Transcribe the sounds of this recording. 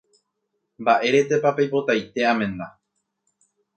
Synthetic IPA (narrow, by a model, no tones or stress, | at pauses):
mbaʔe̞ɾe̞t̪e̞papejpo̞t̪ajt̪e̞amẽ̞na